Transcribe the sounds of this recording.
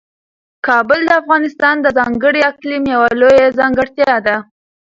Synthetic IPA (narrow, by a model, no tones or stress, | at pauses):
kɑbʊld̪əafɣɑnɪst̪ɑnd̪əzɑŋɡəɽiaklimjawalojazɑŋɡəɽt̪jɑd̪a